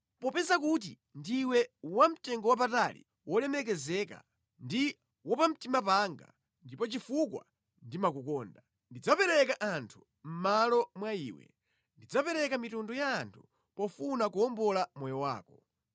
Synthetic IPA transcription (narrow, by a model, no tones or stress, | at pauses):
pɔpɛzakut̬i | ndiwɛwam̩tɛŋɡɔwap̬atalḭ | wɔlɛmɛk̬ɛzɛka̰ | ndi | wɔpam̩timapaŋɡa̰ | ndipɔt͡ʃifukwa̰ | ndimak̬ukɔːnda | ndid͡zapɛɾɛkaʔantʰu̥ | m̩malɔmwaḭːwɛ̰ | ndid͡zapɛɾɛkamitundɔjaːntʰu̥ | pɔfunakuɔmbɔlamɔjɔwa̰ːkɔ